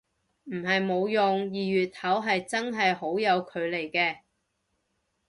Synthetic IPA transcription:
m̩˨˩ɦɐ˨jmo˨˧wjʊ˨ŋjiː˨ɥyː˨t̚hɐ˨˥wɦɐ˨jt͡sɐ˥nɦɐ˨jɦo˨˥wjɐ˨˧wkʰɵ˨˧ɥle˨˩jkɛː˧

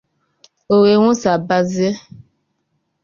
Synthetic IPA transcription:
o˨we˨wõ˦sa˨ba˧zi˦e˦

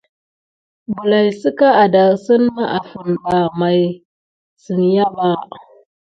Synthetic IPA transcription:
bu˨la˨jsu˦ka˦ʔa˨da˨sʊ˦nːa˦ʔa˨ɸʊ˨nɗa˨ma˨j | sʊ˨nja˦ba˦

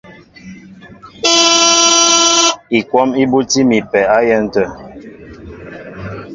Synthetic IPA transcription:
i˨kwɔ˦mi˦bu˦ti˦mi˨pɛ˨a˦jɛ˦n̩˦tə˦˨

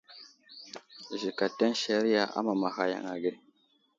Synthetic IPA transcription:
ʒi˨ka˨te˦nʃa˨ɾi˦a˨ʔa̰˦ma˨ma˨xa˨ja̰˨ŋa˨ɡe˦

